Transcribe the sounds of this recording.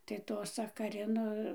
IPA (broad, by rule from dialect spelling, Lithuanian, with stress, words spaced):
tɐɪ ˈtoː sɐkɐˈrʲɪnoː